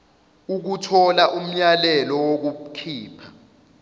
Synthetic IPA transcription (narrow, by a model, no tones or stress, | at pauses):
uk̬utʰɔlaʔum̩ɲalɛlɔwok̬ukʰiːpʰa